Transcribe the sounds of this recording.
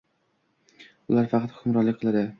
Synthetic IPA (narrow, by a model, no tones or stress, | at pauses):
ʊlaɾfɑqʰɑt̪χʰʊmɾɒlːɪkʲqʰɨlˠad̪ɪ